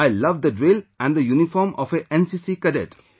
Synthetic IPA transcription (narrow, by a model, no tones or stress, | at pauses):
aɪlʌʋd̪əɖɾilæ̃nd̪əjunifɔːɾmɔfeʔɛ̃nsisikədeʈ